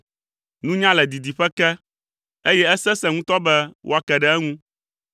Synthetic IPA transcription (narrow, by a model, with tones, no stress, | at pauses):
nũ˦ɲã˦lɛ˨d̪i˨d̪i˨ɸɛ˦kɛ˦ | e˦jɛ˦ɛ˦sɛ˦sɛ˦˨ŋũ˦t̪ɔ˦bɛ˦wo̰˦a˦kɛ˨ɖɛ˦ɛ˦ŋũ˦